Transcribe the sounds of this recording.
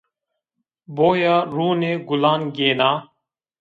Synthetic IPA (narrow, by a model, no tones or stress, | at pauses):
boːjaːɾuːneːɡʊlaːnɡeːnaː